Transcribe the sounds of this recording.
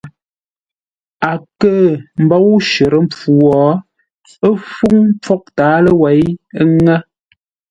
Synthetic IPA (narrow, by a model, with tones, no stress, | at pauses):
a˨kə˦˨m̩˨bɔ˦wʃə˨ɾə˦m̩˦p͡fu˨wɔː˨˦ | ə˦fu˦ŋ˦p͡fɔ˦k̚taː˨˦lə˦wɛ˨˦jə˦ŋa˦